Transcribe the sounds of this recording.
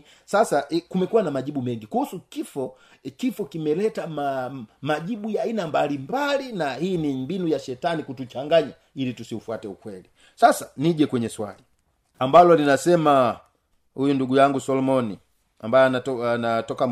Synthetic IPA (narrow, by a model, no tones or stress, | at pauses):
sasakumɛkuwanamaʄibumɛŋɡikuhusukifɔ | kifɔkimɛlɛtamamaɟibujainambalimbalinahiːnimbinujaʃɛtanikutut͡ʃaŋɡaɲa | ilitusiufuatɛukwɛli | sasḁniɟɛkwɛɲɛswa̰li | ambalɔlinasɛma | hujunduɡujaŋɡusɔlɔmɔni | ambajɔaanatɔkam